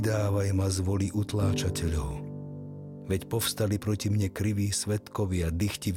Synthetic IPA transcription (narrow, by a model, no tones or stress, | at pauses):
d̪aːʋajmazʋɔliʔut̪laːt͡ʃacɛʎɔʊ | ʋɛcpɔfst̪alipɾɔcimɲɛkɾiʋiːsʋɛt̪kɔʋɪad̪ixciʋ